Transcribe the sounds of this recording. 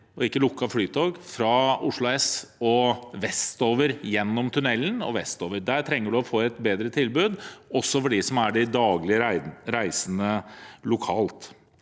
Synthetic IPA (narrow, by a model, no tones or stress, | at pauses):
ɔɪkːəlʊkːɑflyːt̪ʰoːɡfɾɑʊʂɭʊɛsɔʋɛst̪oːʋəɾjɛnːɔmt̪ʰʉnɛlːənɔ̰ʋɛst̪oːʋəɾd̪æːɾʈ̪ʰɾɛŋːəɖʉɔfoːɛt̪beːd̪ɾət̪ʰɪlbʉːd̪ɔsːɔfɔɖɪsɔmæɖɪd̪ɑːɡlɪəɾæɪsənəlʊkʰɑːlt̪